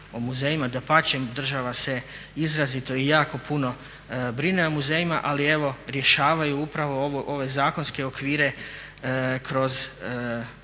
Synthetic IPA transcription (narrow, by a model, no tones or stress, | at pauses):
omuzejimad̪apat͡ɕemd̪r̩ʒaʋase̞ | izɾazit̪o̞ijaːko̞puno̞ | bɾineomuzejima̰ʔalie̞ʋo̞ɾje̞ʃaːʋajuupɾaʋo̞oʋoʔoʋe̞zaːko̞nske̞okʋiːɾe̞ | kɾo̞z